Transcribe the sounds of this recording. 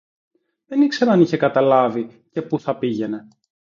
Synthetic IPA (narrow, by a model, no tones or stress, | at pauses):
ðenikseɾɐniçekɐt̪ɐlɐvice̞puθɐpiʝe̞ne̞